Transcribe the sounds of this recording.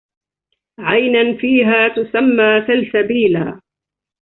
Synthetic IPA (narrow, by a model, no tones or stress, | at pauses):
ʕajnanfiːɦaːt̪ʊsamːaːsalsabiːla̰ː